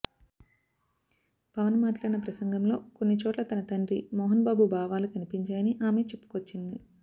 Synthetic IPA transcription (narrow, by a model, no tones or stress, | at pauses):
pɐʋɐnmaːʈlaːɽinɐpɾɐsɐŋɡɐmlo̞ːko̞nːit͡ʃɔːʈlɐt̪ɐnɐt̪ɐɳɖɾḭmɔːɦɐnbaːbubʱaːʋaːlukɐnipiɲt͡ʃaːjɐniʔaːme̞ːt͡ʃe̞pːu̥kot͡ʃːind̪i